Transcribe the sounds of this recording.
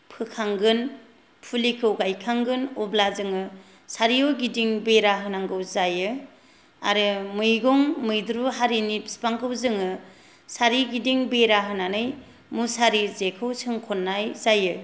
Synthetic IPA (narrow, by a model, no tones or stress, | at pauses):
pʰɯkʰaŋɡɯn | pʰulikʰɯwɡajkʰaŋɡɯnɔblazɯŋɯ | saɾijɔɡidiŋbeɾaɦɯnaŋɡɯwzajɯ | a̰ɾɯmɯjɡɔŋmɯjdɾuɦaɾini̥spaŋkʰɯwzɯŋɯ | saɾiɡidiŋbeɾaɦɯnanɯj | musaɾizekʰɯwsʰɯŋkʰɔnːajzajɯ